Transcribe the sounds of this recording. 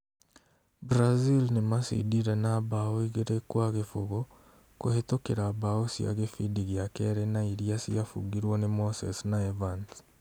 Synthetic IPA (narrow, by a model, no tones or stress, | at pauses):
bɾazilnemasḭdiɾenaβaoiɣeɾekwaɣefuɣo | kuhetokeɾaːβaosja̰ɣefidiɣjakeɾenaiɾjasijafṵɡiɾwonemosḛsnaevant